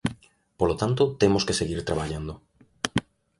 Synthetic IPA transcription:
polot̪ant̪ot̪emoskeseɣiɾt̪ɾaβaʎand̪o

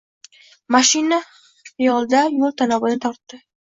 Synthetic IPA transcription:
maʃɪna | ɪjɒlˠd̪ajolˠt̪ʰanɒbɪnɪt̪ʰɒɾt̪ːɪ

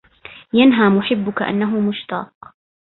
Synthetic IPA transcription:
janɦaːmʊħɪbːʊkaʔa̰nːaɦʊmʊʃt̪ɑ̰ːq

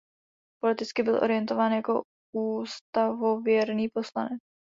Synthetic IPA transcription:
po̞lɪt̪ɪt͡skɪbɪlʔo̞̰ɾɪjɛnt̪o̞vaːnjako̞̰ | uːst̪avo̞vjɛɾniːpo̞slanɛt͡s

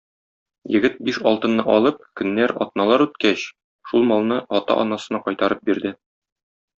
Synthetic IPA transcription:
jɘ̆ɡɘt̪̚biʃɒlˠt̪ɤ̆nːɤʔɒlˠɤp̚kɵ̆nːæɾɒ̰t̪̚nɑlˠɑɾʉt̪kæɕ | ʃulˠmɒlˠnɤɒt̪ɑ̰ʔɒ̰nɑsɤ̆nɑqɒjt̪ɑɾɤp̚biɾd̪ɘ

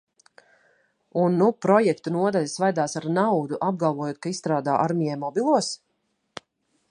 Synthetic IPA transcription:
unːupɾɔjɛkt̪unuɔd̪aʎʲasvajd̪aːsaɾnawd̪uʔab̚ɡalˠvuɔjoːt̪̚kaisst̪ɾaːd̪a̰ːʔaɾmijɛjmɔbilˠuɔs

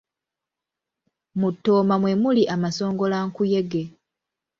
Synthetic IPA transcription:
mutːo̞ːmamwe̞muliʔamaso̞ːŋɡo̞laŋkuje̞ɡe̞

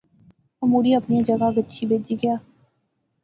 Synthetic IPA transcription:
əmuːɾiɐpnijãd͡ʒəɡaɡətːʃʰibeːd͡ʒiːɡɪjaː

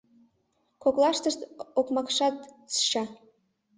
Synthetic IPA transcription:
koklˠɑʃt̪ɤ̆ʃt̪okmɑkʂɑt̪t͡sʃɑ

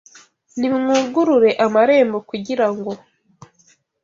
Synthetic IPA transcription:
nimŋuːɡuɾuɾe̞ʔamaɾe̞ːmbo̞kuɟiɾaŋɡo̞

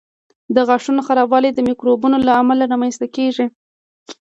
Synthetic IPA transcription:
d̪əɣaʂunoxaɾɑbɑled̪əmikɾobunolaːmalaɾamanst̪akeʐi

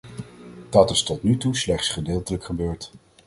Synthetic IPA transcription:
d̥ɑtɪstɔtnytuslɛχtsχədɪːlˠtələkχəbøːɹt

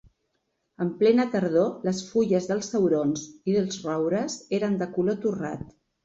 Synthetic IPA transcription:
əmplɛnət̪əɾð̞oləsfuʎəzðəlˠsəwɾonziðəlˠzrɔwɾəzeɾənd̪əkulot̪ura̰t̪

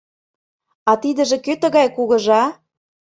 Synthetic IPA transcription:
ɑt̪id̪ə̆ʒĕkøt̪ə̆ɣɑjkuɣɤ̆ʒɑ

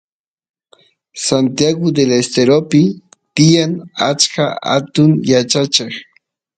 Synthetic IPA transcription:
sant̪jaɡʊd̪elest̪eɾopɪ | t̪ɪjaŋat͡ʃkaa̰t̪ʊŋjat͡ʃat͡ʃeχ

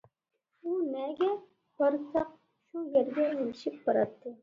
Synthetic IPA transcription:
unɛɡʲɛ | bɑɾsɑq̚ | ʃujɛɾɡʲɛjelɪʃip̚bɑɾɑt̪ʰːɨ

